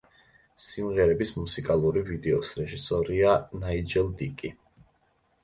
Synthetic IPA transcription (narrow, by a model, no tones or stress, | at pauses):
simʁɛɾɛbismusikʼalˠuɾivid̪ɛɔsɾɛʒisɔɾianaid͡ʒɛld̪ikʼi